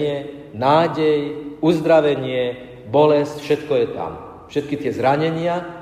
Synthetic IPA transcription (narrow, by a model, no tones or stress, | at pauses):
ɛ | naːɟɛjuzd̪ɾaʋɛɲɪɛ | bɔlɛscfʃɛt̪kɔjɛt̪a̰m | fʃɛt̪̚kit̪ɪɛzɾaɲɛɲɪa